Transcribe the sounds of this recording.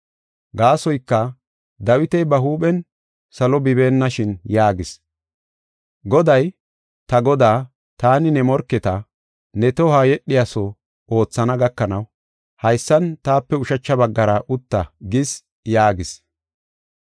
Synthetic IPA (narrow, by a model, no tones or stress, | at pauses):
ɡaːsɔjkːɐ | d̪ɐwɪt̪ɛjbɐɦuːɓɛn | sɐlɔbɪbe̞ːnːɐʃɪnjaːɡɪs | ɡɔd̪ɐj | t̪ɐɡɔd̪aː | t̪aːnɪnɛmɔɾkːɛt̪ɐ | nɛt̪ɔhaːjɛɗːɪjasɔ | o̞ːt͡sːɐnɐɡɐkːɐnɐw | hɐjsːɐnt̪aːpːɛʊʃɐt͡ʃːɐbɐɡːɐɾɐʔʊt̪ːɐɡɪs | jaːɡɪs